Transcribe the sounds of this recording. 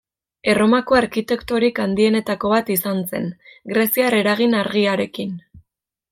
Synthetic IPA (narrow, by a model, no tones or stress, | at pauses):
e̞ro̞mako̞aɾkit̪e̞kt̪o̞ɾikand̪ie̞ne̞t̪ako̞βat̪isanse̞̰nɡɾe̞siaɾe̞ɾaɣ̞inaɾɣiaɾe̞kin